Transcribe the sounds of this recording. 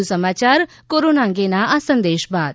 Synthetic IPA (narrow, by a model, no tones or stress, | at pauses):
usəmaːt͡ʃaːɾ | koːɾoːnãːŋɡenaəsə̃nd̪eːʃbaːd̪